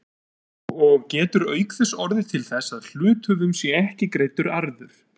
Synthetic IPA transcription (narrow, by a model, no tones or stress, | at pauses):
ɔɣcɛːt̪ʏɾœːɥkθɛsɔɾðɪt̪ʰɪlθɛsːaðl̥ʏːt̪ʰʏvʏmsjɛɛhcɪkɾejt̪ʏɾaɾðʏɾ̥